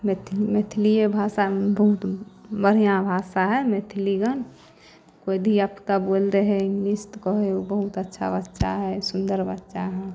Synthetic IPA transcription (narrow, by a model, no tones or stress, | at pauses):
met̪ʰmet̪ʰliebʱasabəɦut̪bəɾijãbʱasaɦɛmet̪ʰliɡən | kojd̪ʱiapt̪abold̪eɦɛĩŋɡlist̪kɔɦeubəɦut̪ətːʃʰa̰bətːʃaɦɛsund̪əɾbətːʃaɦɛ